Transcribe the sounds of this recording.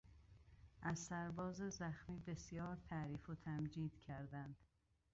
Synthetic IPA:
ʔæzsæɾbɒːzezæxmiːbe̞sjɒːɾt̪ʰæʔɾiːfot̪ʰæmd͡ʒiːd̪̥cʰæɾd̪ænd̪̥

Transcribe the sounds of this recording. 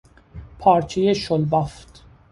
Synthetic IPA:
pʰɒːɾt͡ʃʰejeʃolbɒft̪

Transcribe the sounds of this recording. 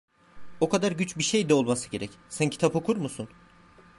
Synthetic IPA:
o̞kʰad̪aɾɟyt͡ʃbiʃe̞jd̪ɛo̞lˠmasɯ̥ɟe̞ɾɛcsæncʰi̥t̪ʰapo̞kʰuɾmusun

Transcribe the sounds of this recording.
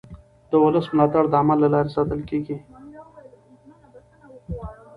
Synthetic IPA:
d̪̥əwʊləsmlɑt̪aɽd̪əamalːalɑɾesɑt̪əlkeɡi

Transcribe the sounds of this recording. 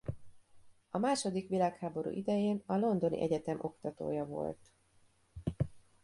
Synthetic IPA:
ɒmaːʃo̞d̪ikʋilaːkhaːbo̞ɾṵːʔid̪ɛjeːnɒlo̞nd̪o̞nḭʔɛɟɛt̪ɛmʔo̞kt̪ɒt̪o̰ːjɒvo̞̰lt̪

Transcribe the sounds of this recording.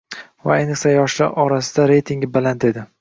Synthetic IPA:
va̰ajnɨqsajɒʃlaɾʔɒɾasɪd̪aɾe̞jt̪ʰiŋɡʲɪbalant̪e̞d̪ɪ

